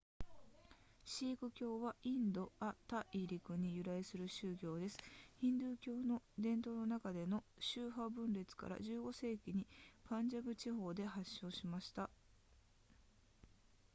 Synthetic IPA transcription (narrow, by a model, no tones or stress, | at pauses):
ɕiːkɯ̟kʲo̞ːβaʔĩnd̪o̞at̪aʔiɾʲikɯ̟ɲ̟ijɯ̟ɾaisɨɾɯ̟ɕɨːɡʲo̞ːd̪e̞sɨ̥hĩnd̪ɯːkʲo̞ːno̞d̪ẽ̞nt̪o̞ːno̞nakad̪e̞no̞ɕɨːɦabɯ̟̃nɾe̞t͡sɨ̥ka̰ɾa̰ʑɨːɡo̞se̞ːkʲiɲ̟ipãɲd͡ʑabɯ̟t͡ɕiɦo̞ːd̪e̞ɦaɕːo̞ːɕimaɕi̥t̪a